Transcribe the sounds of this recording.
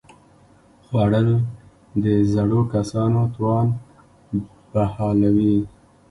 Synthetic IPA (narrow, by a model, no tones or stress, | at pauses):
xwɑɽəl | d̪əzaɽokasɑnot̪wɑn | b̥ahɑlawi